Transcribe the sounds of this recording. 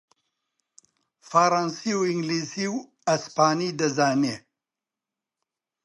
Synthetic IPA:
fɐɾansiwiŋɡlisiw | ɐspaːniːd̪ɐzaːne

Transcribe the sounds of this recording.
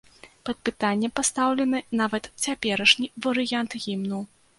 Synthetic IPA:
pɐt̪̚pɨt̪anʲːɛpast̪awlʲɛnɨnavɐt̪t͡sʲapʲɛɾɐʂnʲivɐɾɨjant̪ɣʲimnuw

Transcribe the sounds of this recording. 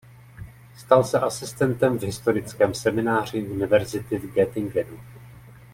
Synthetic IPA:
st̪alsɛʔasɪst̪ɛnt̪ɛmvɦɪst̪o̞ɾɪt͡skɛːmsɛmɪnaːr̝ɪʔunɪvɛɾzɪt̪ɪvɡɛt̪ɪŋɡvɛdu

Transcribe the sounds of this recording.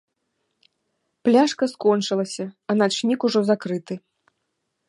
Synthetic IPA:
plʲaʂkɐskɔnt͡ʂɨlˠɐsʲɐɐnat͡ʂnʲikuʐɔzakɾɨt̪ɨ

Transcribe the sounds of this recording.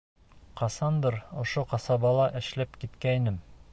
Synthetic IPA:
qɑsɑnd̪ɤɾŏʃoqɑsɑbɑlˠɑʔɘ̆ʃlæpkit̪kæinɘm

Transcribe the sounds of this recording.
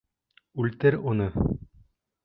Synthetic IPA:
ʉlt̪ɘɾunɤ

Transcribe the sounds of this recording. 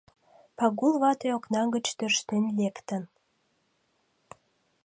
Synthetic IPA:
pɑɣulβɑt̪eoknɑŋɡət͡ɕt̪ørʃt̪enlekt̪ən

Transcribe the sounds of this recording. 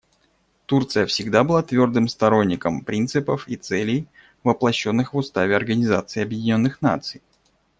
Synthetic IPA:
t̪urt̪sɨjəfsʲɪɡd̪abɨlˠat̪vʲo̞rd̪ɨmst̪ɐɾo̞nʲːɪkəmpɾʲint̪sɨpəfit̪sɛlʲɪj | vəplˠɐɕːo̞nːɨxvʊst̪avʲɪɐrɡənʲɪzat̪sɨɪɐbjɪdʲɪnʲo̞nːɨxna̰t̪sɨj

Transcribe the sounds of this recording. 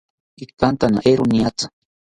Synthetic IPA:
ikant̪ana̰ʔeɾoniat͡sḁ

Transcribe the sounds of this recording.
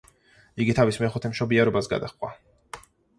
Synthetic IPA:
iɡit̪ʰavismɛχut̪ʰɛmʃɔbiaɾɔbasɡa̰d̪aχʼwa

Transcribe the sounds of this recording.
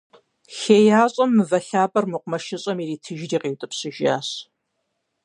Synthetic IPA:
xeːjaːɕʼɐmːɨvɐɬaːbɐrmɨqʷʊmɐʃɪɕʼɐmiriːtʰɨʒriːqiːwtʼɨpɕɨʒaːɕ

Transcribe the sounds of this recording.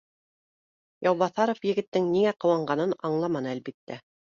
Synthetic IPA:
jɑwβɑθɑɾŏfjɘ̆ɡɘ̆t̪ːɘŋniŋæqɤ̆wɑɴɢɑnɤnɑɴlˠɑmɑnɤælbit̪ːæ

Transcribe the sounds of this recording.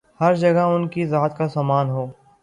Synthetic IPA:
hɐɾd͡ʒɐɡəʊnkizaːt̪kasaːmaːnɦoː

